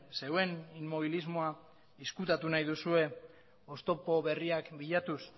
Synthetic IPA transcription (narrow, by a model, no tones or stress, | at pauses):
se̞we̞nimmo̞β̞ilizmo̞a | iskut̪at̪unajðusue̞ | o̞st̪o̞po̞βe̞riakbiʎat̪us